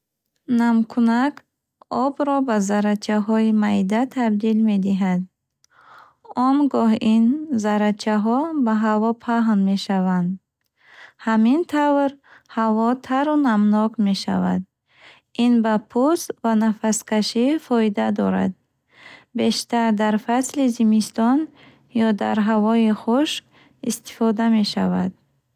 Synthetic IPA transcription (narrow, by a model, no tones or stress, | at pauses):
namkʰunak | ɔbɾɔbazaɾat͡ʃʰaɦɔimajd̪at̪ʰab̚d̪ilme̞d̪iɦad̪̚ | ɔmɡɔɦinzaɾat͡ʃʰaɦɔbaɦavɔpʰaɦnme̞ʃavand̪ | hamint̪ʰavɾhavɔt̪ʰaɾunamnɔkme̞ʃa̰vad̪ | inbapʰust̪vanafaskʰaʃifɔid̪ad̪ɔɾa̰d̪̚ | be̞ʃt̪aɾd̪aɾfaslizimist̪ɔn | jɔd̪aɾɦavɔiχuʃk | ist̪i̥fɔd̪ame̞ʃavad̪̥